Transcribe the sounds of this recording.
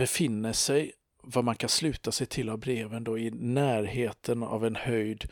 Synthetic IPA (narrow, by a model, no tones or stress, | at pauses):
ɛfɪnːəʂɛj | vamankʰanslʉ̟ːt̪asɛjt̪ʰɪlːavbɾeːvənd̪ɔɪnæːɾheːt̪ʰəna̰vɛnhœjd̪